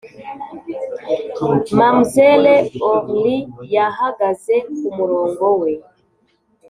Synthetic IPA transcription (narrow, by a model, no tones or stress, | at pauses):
mam̩zɛlɛɔɾlijaɦaɡazɛkumuɾɔŋɡɔwɛ